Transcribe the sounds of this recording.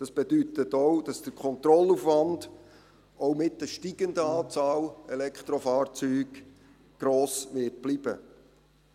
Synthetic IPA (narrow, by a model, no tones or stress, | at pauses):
d̥ɑsb̥ɛd̥yt̪ətɔd̥ɑsd̥əɾkʰχɔnt̪ɾɔlufʋɑnd | ɔwmɪt̚dəʃtiɡ̥əndəɑːt͡sɑːlɛlɛkχt̪ɾɔfɑːɾt͡syːɡ | ɡ̥ɾoːsʋɪt̚b̥libə̰